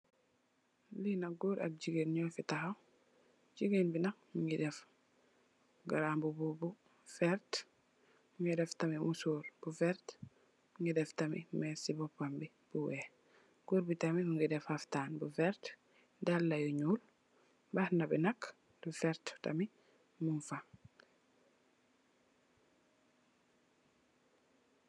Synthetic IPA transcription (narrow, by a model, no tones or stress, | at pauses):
linaɡuɾa̰b̚d͡ʒiɡinɲɔfitaɦaw | d͡ʒiɡinbinakmiŋɡidɛf | ɡaɾambububu | fɛɾt | mŋɡidɛftamimusuɾb̥ufɛɾt | miŋɡidɛftamimɛsibɔpːambi | b̥uwɛ | ɡ̥uɾbitamimuŋɡɛdɛfaftanbufɛɾt | dalːajuɲul | bahnabɛnakː | dufɛɾtta̰mi | munfa